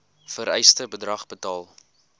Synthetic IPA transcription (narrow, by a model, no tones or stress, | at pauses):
fəɾɛjstəbədrɐχbətɑːlˠ